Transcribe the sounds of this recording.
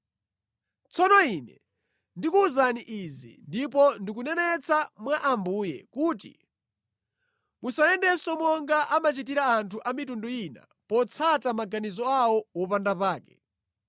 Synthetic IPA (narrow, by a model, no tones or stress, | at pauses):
t͡sʰɔnɔiːnɛ | ndikuːzaniʔizḭndip̬ɔndik̬unɛnɛt͡sʰamwaʔambuːjɛ̰kuːtḭ | musaɛndɛsɔmwɔŋɡaʔamat͡ʃit̬iɾaːntʰuʔamitundɔina̰ | pɔt͡sʰatamaɡanizɔawɔwɔpandapaːkɛ̥